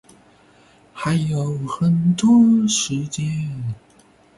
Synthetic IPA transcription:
xa˧˥ɪjo˨˩ʊxə˨˩nt̪wɔ˥ʂɻ̩˧˥t͡ɕjɛ˥n

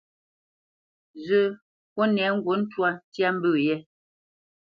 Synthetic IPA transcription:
zə˦˨ | ko˦nɛ˨˦ŋ̩˦ɡwo˨˦n̩˦twa˦n˦tja˦m̩˦bʉː˦˨jɛ˦

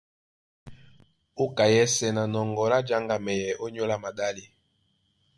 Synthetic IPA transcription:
o˦ka˨jɛ˦sɛ˨na˨nɔ˨ŋɡɔ˨la˦d͡ʒa˦ŋɡa˨mɛ˨jɛ˨ʔo˦ɲo˦la˦ma˨da˦li˦

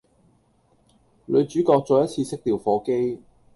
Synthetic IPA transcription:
lɵ˨˧ɥt͡ʃyː˨˥kɔː˧k̚t͡sɔː˧jɐ˥t͡sʰiː˧sɪ˥k̚t̪iː˨wfɔː˨˥ke˥j

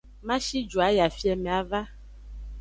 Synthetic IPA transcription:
mã˦ʃi˦d͡ʒu˨a˨ja˨fi˦ɛ˨mɛ̃˨a˨va˦

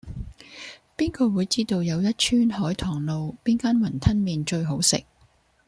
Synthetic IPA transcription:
piː˥nkɔː˧wuː˨˧jt͡siː˥t̪o˨˧wjɐ˨˧wjɐ˥t̚t͡ʃʰyː˥nhɔː˨˥jt̪ʰɔː˨˩ŋlo˨˧wpiː˥nkaː˥nwɐ˨˩nt̪ʰɐ˥nmiː˨˧nt͡ʃɵ˧ɥɦo˨˥wsɪ̰˨k̚

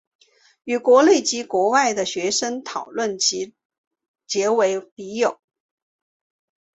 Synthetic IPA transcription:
y˨˩kwɔ˧˥le˥˩ɪt͡ɕi˧˥kwɔ˧˥wa˥˩ɪd̪ə˩ɕɥɛ˧˥ʂə˥ŋt̪ʰɑ˨˩ʊlwə˥˩nt͡ɕi˧˥ | t͡ɕjɛ˧˥we˧˥ɪpi˧˥jo˨˩˦

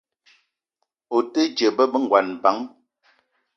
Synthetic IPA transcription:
o˨tə˦d͡ʒə˨bə˦bə˦ŋ˨ɡwa˨nba˨˦ŋ

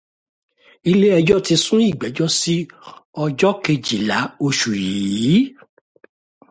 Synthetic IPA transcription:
i˧le˦ɛ˧d͡ʒɔ˦ti˧sũ˦i˦˨ɡ͡bɛ˨˦d͡ʒɔ˦si˦ɔ˧d͡ʒɔ˦ke˧d͡ʒi˨la˨˦o˧ʃu˨ji˨˦

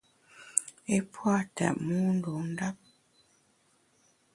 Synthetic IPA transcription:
e˦pʰwa˦˨ta̰˨ʔmu˦n˦do˨n̩˦da˦p̚

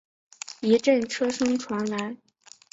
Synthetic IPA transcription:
i˧˥ʈ͡ʂə˥˩nʈ͡ʂʰɤ˥ʂɤ˥ŋʈ͡ʂʰwa˧˥nla˧˥ɪ

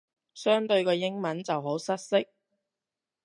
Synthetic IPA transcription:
sœː˥ŋt̪ɵ˧ɥkɔː˧jɪ˥ŋmɐ˨˥nt͡sɐ˨wɦo˨˥wsɐ˥t̚sɪ˥k̚

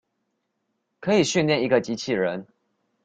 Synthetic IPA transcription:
kʰɤ˧˦i˨˩ɕy˥˧nljɛ˥˨ni˧˥ɡə˧t͡ɕi˧˥t͡ɕʰi˨˩ɻə˨˦n

